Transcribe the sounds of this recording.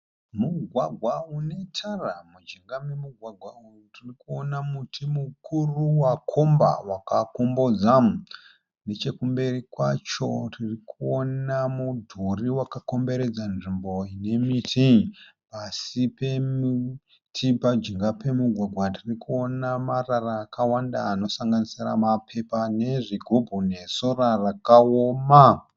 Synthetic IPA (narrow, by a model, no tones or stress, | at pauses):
muɡʱwaɡʱwaune̞tʰaramud͡ʒeŋɡamemuɡʱwaɡʱwa | tirikuonamutʰimukʰuruwakʰo̞mba̰wakakombod͡za | ne̞t͡ʃe̞kumbe̞rikwat͡ʃo̞̰tirikuonamudʱuriwakako̞mbe̞ɾe̞d͡zanʐimbo̞ine̞mitʰipasipemi | tʰipad͡ʒiŋɡape̞muɡʱwaɡʱwatirikuo̞namararaːkawandaːno̞saŋɡanisira̰mapʰe̞pane̞ʐiɡʱobʱune̞sorarakaoma